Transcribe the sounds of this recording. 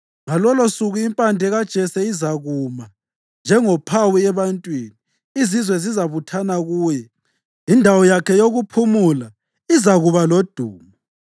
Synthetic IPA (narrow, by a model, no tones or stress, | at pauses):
malɔlosuɣuimpʼandʱɛɣad̥ʒ̥ʱɛsɛizaɣuma | nd͡ʒʱɛŋɔpʰawiɛβantʼwiniː | zizwɛzizaβutʰanaɣuːjɛ | indʱawɔjakʰɛjoɣupʰumula | izaɣuβalod̥ʱuːmɔ